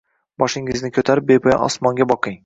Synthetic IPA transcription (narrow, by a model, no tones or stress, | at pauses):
bɒʃɪŋɪznɪkʰɵt̪ʰaɾɪp̚bepʰɒja̰ʔɒ̰smɒŋɡʲabɒqɨŋ